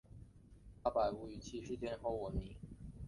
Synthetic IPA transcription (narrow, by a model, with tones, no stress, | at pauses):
pa˥pa˨˩ɪu˧˩y˨˩t͡ɕʰi˥˩ʂɻ̩˥˧t̪jɛ˥nxo˧˥˩ʊwɔ˨˩mi˧˥ŋ